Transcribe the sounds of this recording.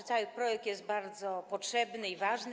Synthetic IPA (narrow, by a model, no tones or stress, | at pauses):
t̪sawɘpɾɔjɛk̚t̪jɛst̪̚baɾd̪zɔpɔtʂɛbnɘivaʐn